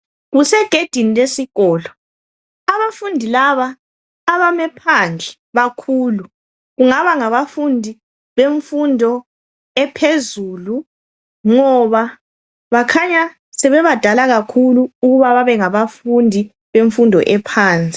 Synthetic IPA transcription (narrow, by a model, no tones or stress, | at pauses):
ɣusɛɡ̥ʱed̥ʱinilesiɣɔːlɔ | aβafundʱilaβaː | βamɛpʰand͡ɮʱɛ | βakʰuːlu | ɣuŋaβaŋaβafundʱi | βeɱfundʱɔ | ɛpʰezuːlu | ŋɔβa | βakʰaɲa | sɛβɛβad̥ʱalaɣakʰuluuɣuβaβaβɛŋaβafundʱi | βeɱfundʱɔ̰ʔɛpʰaːnt͡sʼi̥